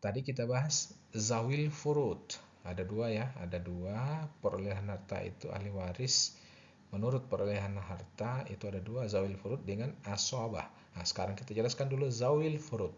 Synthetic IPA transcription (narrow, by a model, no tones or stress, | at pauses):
t̪adikit̪abaɦas | zawɪlfuɾut̪̚ | adaduajaa̰daduapəɾoliɦanhart̪a̰ḭt̪uʔa̰hliwaɾɪs | mənuɾʊt̪̚pəɾoliɦanɦart̪aḭt̪uadaduazawɪlfuɾʊt̪̚dəŋanasoaba̰h | asə̥kaɾaŋkit̪ad͡ʒəlaskanduluzawɪlfuɾʊt̪̚